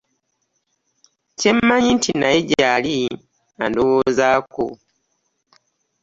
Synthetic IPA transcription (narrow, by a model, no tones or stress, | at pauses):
ce̞mːaɲintʰinajeɟali | andowozaːko̰